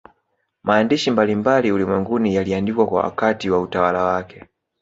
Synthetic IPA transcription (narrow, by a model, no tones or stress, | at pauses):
maːndiʃimbalimbaliulimwɛŋɡunijaliandikwakwa̰wa̰katiwautawalawakʰɛ